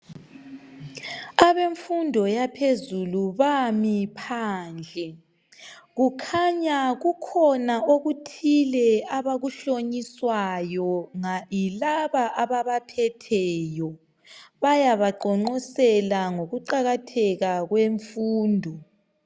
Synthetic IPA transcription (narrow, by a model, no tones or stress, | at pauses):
aβeɱfundʱɔjapʰezuluβamipʰaːnd͡ɮʱɛ | ɣukʰaɲaɣukʰɔnaoɣutʰilɛaβaɣuɬoɲiswajɔŋailaβaʔaβaβapʰɛtʰɛːjɔ | βajaβaɡ͡ǃʱɔŋ͡ǃɔsɛlaŋoɣuǃaɣatʰɛɣaɣweɱfuːndʱɔ